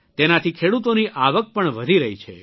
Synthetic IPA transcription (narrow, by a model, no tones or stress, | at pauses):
t̪enat̪ʰikʰeɽut̪oniʔaʋək̚pəɳʋəd̪ʱiɾəɦit͡ʃʰḛ